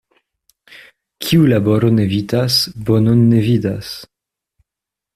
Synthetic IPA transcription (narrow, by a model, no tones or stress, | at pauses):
kʰiulaboɾonevitasbononːevidas